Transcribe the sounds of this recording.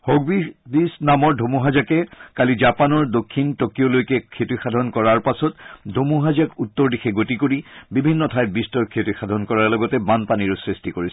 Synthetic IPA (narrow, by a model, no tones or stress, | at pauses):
hoɡ̚bidisnamɔɹdʱomuɦazakɛkalid͡ʒapanɔɹdokʰːintokijɔlojkɛkʰetuxadʱɔnkɔɹaɹpasɔtdʱomuɦazakutːɔɹdixɛɡotikoɹibibʱinːɔtʰajt̚bistɔɹkʰetuxadʱɔnkɔɹaɹlɔɡɔtɛbanpaniɹusɹistikoɹisɛ̥